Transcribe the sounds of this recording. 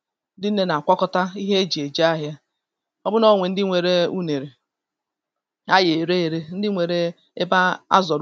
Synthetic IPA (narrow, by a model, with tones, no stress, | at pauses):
dɪ˦n̩˦ne˦na˨a˨kʷɔ˦kɔ˦ta˦i˦ɦe˦d͡ʒi˨e˨d͡ʒa˦a˦ɦja˦ | ɔ˦bʊ˦nɔ˦˨ŋʷe˨n̩˦dɪ˦ŋʷe˨ɾe˦u˦ne˨ɾe˨ | a˦je˨ɾe˦e˨ɾe˦n̩˦dɪ˦ŋʷe˨ɾe˦ | e˦ba˦a̰˦zɔ˨ɾ